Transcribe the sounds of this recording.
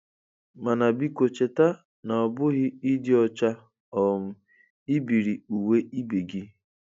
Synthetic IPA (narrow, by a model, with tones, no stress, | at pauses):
ma˨na˨bi˦ko˨t͡ʃe˨ta˦ | na˨ɔ˨bʊ˦ɣɪ˦i˦dɪ˦ɔ˨t͡ʃa˦ | ɔ˨m̩˨˦ | i˦bi˨ɾi˨u˨we˦ʔi˦bi˨ɡɪ˦